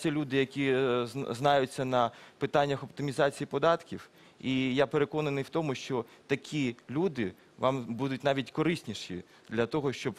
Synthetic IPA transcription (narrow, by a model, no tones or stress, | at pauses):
t͡sʲɐlʲud̪ɪjɐkʲiznɑjʊt͡sʲːɐnɐpɪt̪ɑnʲːɐxɔpt̪ɪmʲizɑt͡sʲijipɔd̪ɑt̪kʲiw | ijapeɾekɔnɐnɪjwt̪ɔmʊʃt͡ʃɔ | t̪ɐkʲʰilʲud̪ɪ | ʋɑmbud̪ʊtʲnɑʋʲitʲkɔɾɪsʲnʲiʃḭ | d̪lʲɐt̪ɔɦɔʃt͡ʃɔb